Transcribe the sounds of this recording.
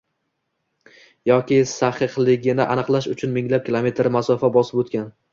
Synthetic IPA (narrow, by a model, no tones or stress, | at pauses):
jɒkʲɪsaχɨqlˠɪɡʲɪnɪʔanɨqlˠaʃʊt͡ʃʰʊnmɪŋlap̚kʲʰɪlˠome̞t̪ʰɾmasɒfabɒsɪpot̪kʲan